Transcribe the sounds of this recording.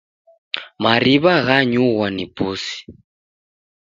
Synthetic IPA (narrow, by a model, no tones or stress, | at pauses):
maɾiβaɣaɲuɣwanipusi̥